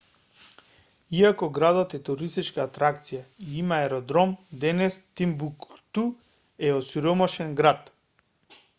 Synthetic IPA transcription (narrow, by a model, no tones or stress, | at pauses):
iakɔɡɾad̪ɔt̪ɛt̪uɾist̪it͡ʃkaːt̪ɾakt̪sijaiimaɛɾɔd̪ɾɔmd̪ɛnɛst̪imbukt̪u | ɛosiɾɔmaʃɛnɡɾat̪